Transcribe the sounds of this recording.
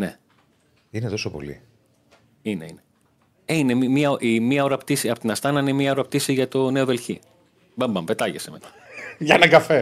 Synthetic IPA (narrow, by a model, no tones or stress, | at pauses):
ne̞̰ | inet̪o̞sopo̰lḭ | ine̞ine | einemɐoʔimɐo̞ɾɐpt̪isiɐpot̪inɐst̪ɐnɐinemɲɐo̞ɾɐpt̪isiʝɐt̪o̞ne̞o̞ðe̞lçḭ | bɐmbɐmpe̞t̪ɐʝesemet̪ɐ̥ʝɐnɐɡɐfe